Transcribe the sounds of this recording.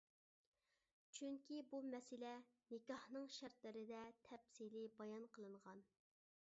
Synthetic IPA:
t͡ʃʰyŋkʲibumɛsɪlɛ | nɪkʲɑhnɨŋʃæɾt̪lɪɾɪd̪ɛt̪ʰɛpsilɪbɑjɑnqəlˠɨɴʁɑn

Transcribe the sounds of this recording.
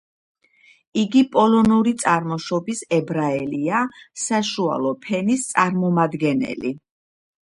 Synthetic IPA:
iɡipʼɔlɔnuɾit̪sʼaɾmɔʃɔbisɛbɾaɛliasaʃua̰lˠɔpʰɛnist̪sʼaɾmɔmad̪ɡɛnɛ̰li

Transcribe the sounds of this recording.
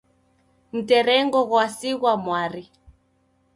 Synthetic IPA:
m̩tɛɾɛŋɡɔɣwasiɣwamwaɾi

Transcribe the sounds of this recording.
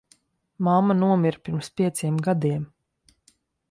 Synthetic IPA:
mamːanuɔmiɾpʲiɾmspʲiɛt̪siɛmɡad̪iɛm

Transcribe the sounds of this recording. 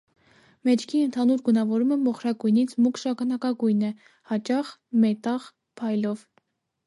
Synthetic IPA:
mɛt͡ʃʰkʰiənt̪ʰɑnuɾɡunɑvɔɾuməmɔχɾɑɡujnit͡sʰmukʃɑkʰɑnɑkɑɡujnɛ | hɑt͡ʃɑχmɛt̪ɑχ | pʰɑjlɔv

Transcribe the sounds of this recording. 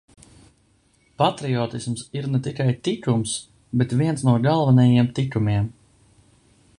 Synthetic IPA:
pat̪ɾiɔːt̪ismsiɾnɛt̪ikajt̪ikums | bet̪viɛnsnuɔɡalˠvanɛjiɛmt̪ikumiɛm

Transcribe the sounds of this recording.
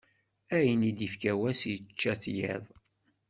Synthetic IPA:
æjənid̪ifkæwæsjt͡ʃːæθjɪ̰ðˤ

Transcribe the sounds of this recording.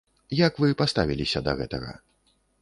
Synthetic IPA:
jakvɨpast̪avʲilʲisʲɐd̪ɐ̰ɣɛt̪ɐɣɐ̰

